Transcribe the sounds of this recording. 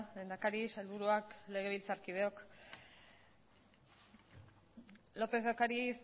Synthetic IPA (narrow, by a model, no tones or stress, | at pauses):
lend̪akaɾiselβuɾuakle̞ɣ̞e̞β̞ilt͡saɾkið̞e̞o̞k | lo̞pezokaɾis